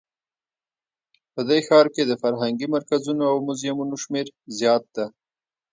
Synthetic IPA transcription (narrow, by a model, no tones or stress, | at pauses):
pəd̪ejxɑɾked̪əfaɾɦaŋɡimaɾkazunoawmʊzjamunoʃmeɾzjɑt̪̚d̪a